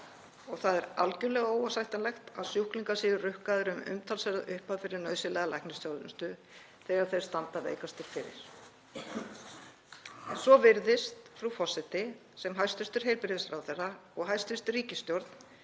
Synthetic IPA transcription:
ɔɣθaðɛɾalcʏɾlɛɣaoːwasajht̪anlɛxt̪aðsjuhkliŋkasiːðʏrʏhkaðʏɾʏmʏ̰mt̪ʰalsɛɾaʏhpaðfɪɾɪɾnœɥsɪlɛːɣalajknɪsjowlʏst̪ʏ | θɛːɣaɾ̥θejɾ̥st̪ant̪avḛːjkast̪ɪɾfɪɾɪ̰ɾ̥ | ɛnsvɔvɪɾðɪst̪fɾufɔsːɪt̪ɪ | sɛmɦajst̪ʏst̪ʏɾ̥ɦejɾpɪɾɪðɪsfɾawθɛraɔɣɦajst̪ʏst̪ʏriːcɪst̪jɔɾt̪n

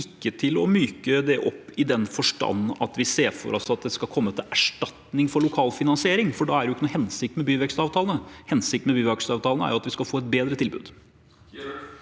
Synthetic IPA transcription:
ɪkːət̪ʰɪlɔmyːkəd̪ɛʔɔpːɪd̪ɛnfɔʂʈɑ̰nːɑ̰t̪ʋɪseːɾfɔ̰ɾʔɑ̰sɑt̪̚d̪ɛskɑlkʰɔmːət̪ʰɪlæʂʈɑt̪nɪŋfɔɾɭʊkʰɑːlfɪnɑnsɪeːɾɪŋfɔɖɑæɖɛjʊɪkːənuːhɛnsɪk̚t̪mɛbyːʋɛkst̪ɑːʋt̪ʰɑːlnəhɛnsɪk̚t̪mɛbyːʋɛkst̪ɑːʋt̪ʰɑːlnəæ̰ɾjʊɑt̪ʋɪskɑlfoːɛt̪̚beːd̪ɾət̪ʰɪlbʉ̰ːd̪

